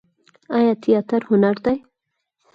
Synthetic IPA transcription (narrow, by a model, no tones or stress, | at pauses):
ajɑt̪ʰijɑt̪aɾhʊnaɾd̪aj